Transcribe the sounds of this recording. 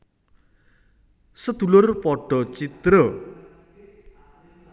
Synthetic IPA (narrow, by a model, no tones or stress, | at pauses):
sʌt̪ulorpʌɖʱʌt͡sit̪rʌ